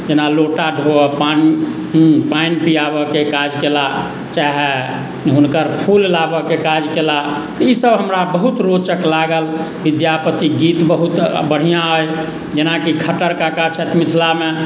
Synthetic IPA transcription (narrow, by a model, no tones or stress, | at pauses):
d͡ʒenaloʈaɖʱopan | painpijabəkekad͡ʒkela | t͡ʃaɦe | ɦunkəɾpʰullabəkekad͡ʒkela | t̪isəbɦəmɾabəɦut̪ɾot͡ʃəklaɡəl | bid̪japət̪iɡit̪bəɦut̪bəɽ̤ijãoj | d͡ʒenakikʰəʈəɾkakat͡ʃʰɛt̪mit̪ʰlame